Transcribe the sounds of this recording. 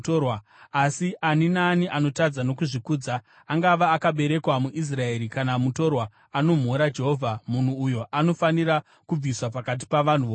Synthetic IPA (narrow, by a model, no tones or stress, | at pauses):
torwa | asiʔaninaːniʔano̞tad͡zano̞kuʐikuːd͡za | aŋɡaʋaːkaɓe̞ɾe̞kwamuʔis̬raeɾikanamuto̞rwa | ano̞m̤oɾad͡ʒe̞ɦo̞vʱamun̤uːjo̞ʔano̞faniɾa | kub͡viswapakat̬i̥paʋan̤uʋo